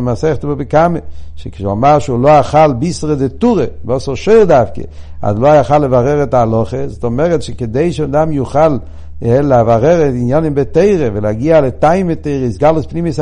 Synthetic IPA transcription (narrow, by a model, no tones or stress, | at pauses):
masɛχtbobɪkameʃekʃa̰maʁʃuloaχalbisʁədɪtuʁevɔsɔʃoɪʁdafkḛa̰zloaaχalevaʁɛʁɛtaːlɔχezɔtɔmɛʁɛtʃɪkedeɪʃeadamjuχal | ɛlavaʁɛʁɛtinjanɪmbeteɪʁevɪlaɡialetaɪmeteɪʁəɪsɡalˠəspnimis